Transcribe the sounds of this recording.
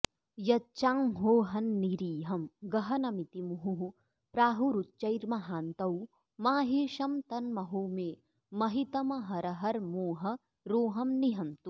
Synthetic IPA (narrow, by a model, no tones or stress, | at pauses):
jɐtːt͡ʃaːmɦoːɦɐnːiɾiːɦɐmɡɐɦɐnɐmit̪imuɦuɦu | pɾaːɦuɾut̪t͡ʃɐjɾmɐɦaːnt̪ɐw | maːɦeːʃɐmt̪ɐnmɐɦoːmeː | mɐɦit̪ɐmɐɦɐɾɐɦɐɾmoːɦɐ | ɾoːɦɐmniɦɐnt̪u